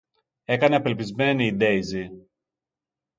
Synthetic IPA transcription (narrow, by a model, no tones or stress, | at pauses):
e̞kɐne̞ɐpe̞lpizme̞niːd̪e̞izi